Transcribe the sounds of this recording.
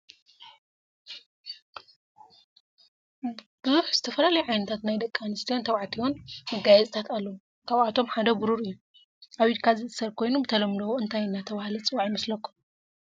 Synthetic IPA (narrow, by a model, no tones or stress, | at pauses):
b̥ɨzuħz̥ɨt̪ʰɐfɐlalɐjuʕajnɐt̪ʰat̪najd̪ɐkʼːanɨst̪ʰijant̪ʰɐwʕat̪ʰionmɐɡajɛzʼɨt̪ʰat̪alːɐwu | kʰaβat̪ʰo̞mħad̪ɐbuɾuɾɨjːu | ʔaβid̪kʰazɨʔɨsɐɾkʰo̞jnubɨt̪ʰɐlɐmd̪owoɨnt̪ʰajɨnːat̪ʰɐβahlit͡sʼɨwaʕjimɐslɐkːu̥m